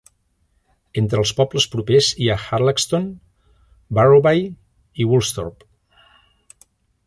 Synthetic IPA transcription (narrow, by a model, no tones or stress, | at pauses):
ent̪ɾəlˠspɔbləspɾupeziaxaɾlakst̪on | baroβaj | iwulˠst̪oɾp